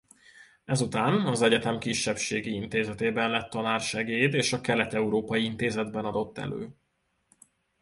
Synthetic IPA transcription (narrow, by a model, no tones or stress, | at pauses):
ɛzut̪aːnɒzɛɟɛt̪ɛmkiʃːɛpʃeːɡiint̪eːzɛt̪eːbɛnlɛt̪ːɒnaːrʃɛɡeːjd̪eːʃɒkɛlɛt̪ɛuɾoːpɒjiint̪eːzɛd̪bɛnɒd̪o̞t̪ːɛ̰lø̰ː